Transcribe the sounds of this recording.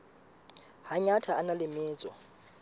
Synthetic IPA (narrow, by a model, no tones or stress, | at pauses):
haɲatʰaːnalɪmɪːt͡sʼɔ